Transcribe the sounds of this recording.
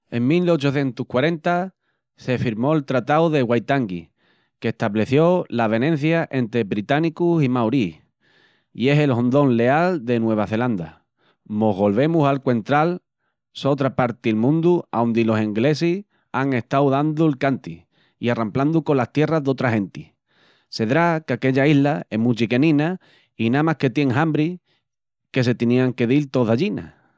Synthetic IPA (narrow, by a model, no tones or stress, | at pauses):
e̞ŋmilo̞t͡ʃoθje̞nt̪uhkwaɾẽ̞nt̪a | se̞fiɾmo̞elt̪ɾat̪awðe̞ɣwajt̪aŋɡi | ke̞ht̪aβle̞θjo̞laβ̞e̞nẽ̞n̟θjaʔe̞nt̪ɾe̞βɾit̪anikusimawɾi | ḭe̞se̞lɦõ̞nd̪o̞nle̞ald̪e̞nwe̞β̞aθe̞land̪a | mo̞ɦβo̞lβe̞musalkwe̞nt̪ɾal | sot̪ɾapaɾt̪ilmũnd̪uawnd̪ilo̞seŋɡle̞sih | aŋe̞st̪awðand̪ulkant̪i | iarampland̪uko̞last̪je̞razðo̞t̪ɾaɦe̞nt̪i | se̞ðɾakake̞ʎaiɦlae̞ɦmut͡ʃike̞nĩna | inamahke̞t̪je̞ŋɦambɾi | ke̞se̞t̪iniaŋke̞ðilt̪o̞ðaʎina̰